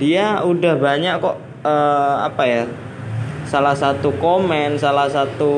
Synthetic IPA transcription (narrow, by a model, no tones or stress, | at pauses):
diaudahbaɲaʔkɔʔ | əa̰paja | salahsat̪ukomɛnsalahsat̪u